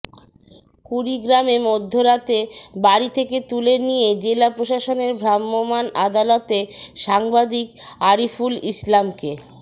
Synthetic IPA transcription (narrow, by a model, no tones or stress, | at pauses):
kuɾiɡɾamemod̪ʱːoɾat̪ebaɾit̪ʰeket̪ulenijed͡ʑelapɾoʃaʃoneɾbʱɾamːomanad̪alot̪eʃaŋbad̪ikaɾifulislamke